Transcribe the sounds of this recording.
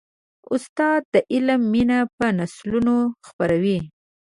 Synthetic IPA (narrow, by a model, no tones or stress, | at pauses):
ʊst̪ɑd̪̚ːəʔɪlmːinapənaslunoxpaɾawi